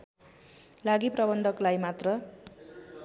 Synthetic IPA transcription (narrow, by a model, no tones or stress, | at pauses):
laɡiprʌbʌnd̪ʱʌklajmat̪rʌ